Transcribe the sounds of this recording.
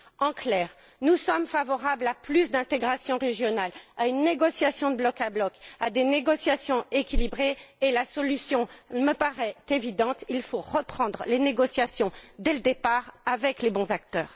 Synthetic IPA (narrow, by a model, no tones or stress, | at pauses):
ɑ̃klɛʁ | nusɔmfavɔʁablaplysd̪ɛ̃t̪eɡʁasjɔ̃ʁeʒjɔnalaynːeɡɔsjasjɔ̃d̪əblɔkablɔkad̪eneɡɔsjasjɔ̃ekʲilibʁeːlasɔlysjɔ̃məpaʁɛt̪evid̪ɑ̃t̪ilfoʁəpχɑ̃d̪ʁəleneɡɔsjasjɔ̃d̪eləd̪epaʁavɛklebɔ̃zak̚t̪œːʁ